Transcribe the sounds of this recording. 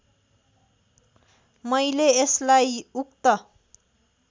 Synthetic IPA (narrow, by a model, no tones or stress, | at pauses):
mʌjleeslajuk̚t̪ʌ